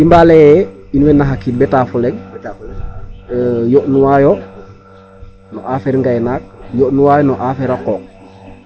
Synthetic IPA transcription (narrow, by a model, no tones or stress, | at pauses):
imbaːlɛjɛ | inuwɛnːaɦakːit̚bɛtaːfulɛŋ | joʔnuwaːjɔ | nɔʔafɛɾŋɡajnaːk̚joʔnuwaːjɔnɔʔafɛɾakɔːk̚